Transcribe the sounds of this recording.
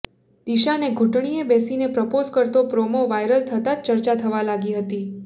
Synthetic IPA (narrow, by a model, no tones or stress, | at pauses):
d̪̥iʃaneɡʱuʈɳiebesinepɾəpozkəɾt̪opɾomoʋajɾəlt̪ʰət̪at͡ʃəɾt͡ʃat̪ʰəʋalaɡiɦət̪i